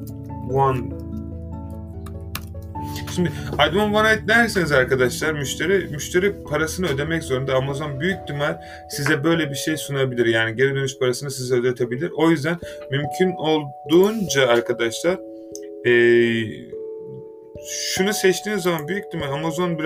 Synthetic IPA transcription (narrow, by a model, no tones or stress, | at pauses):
an | ʃʰimd̪ɪajd̪umanvanajt̪̚næɾd̪esinizaɾkad̪aʃlˠaɾmyʃt̪ʰeɾimyʃt̪ʰe̞ɾipʰaɾasɯnɯø̞d̪e̞mɛczo̞ɾund̪aːmazo̞nbyjyc̚d̪ymæɾ̥ | sizɛbø̞jlʲɛbiɾʃe̞jsunabilʲiɾjaːniɟe̞ɾɛd̪ø̞nyʃpʰaɾasɯnɯsizɛød̪et̪ʰebilʲiɾo̞jyzd̪æn | mymcʰyno̞lˠd̪uːnd͡ʒaːɾkʰad̪aʃlˠaɾ̥ | ɛː | ʃunusɛt͡ʃt̪ʰiːnzamanbyjyc̚ʲd̪ymæɾamazo̞nbiɾ